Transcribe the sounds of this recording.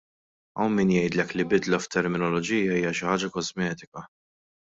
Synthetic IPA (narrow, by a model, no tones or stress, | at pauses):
ɐwmɪnjɛjd̪lɛklibɪd̪lɐft̪ʰːɛɾmɪnɔlɔd͡ʒiːjɐiːjɐʃɪħɐːd͡ʒɐkɔzmɛːt̪ɪkɐ